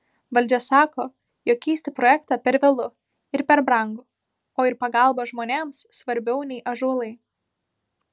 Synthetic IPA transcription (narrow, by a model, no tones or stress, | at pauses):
ʋɐlʲd͡ʒʲɛsɑːkoː | joːkʲɛːsʲt̪ʲɪpɾoːjɛkt̪ɑːpʲɛɾʋʲɛlˠʊ | ɪɾpʲɛɾbɾɐŋɡʊ | oːɪɾpɐɡɐˑlˠbɐʒmoːnʲeːmssʋɐɾʲbʲɛʊnʲɛɪʔɐʒuɔlˠɐɪ